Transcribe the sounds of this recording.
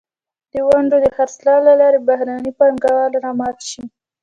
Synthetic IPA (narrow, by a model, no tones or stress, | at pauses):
d̪̥əwaɳɖod̪əxaɾslɑlalɑɾebahɾanipaŋɡɑwɑlaɾɑmɑt̪ʃi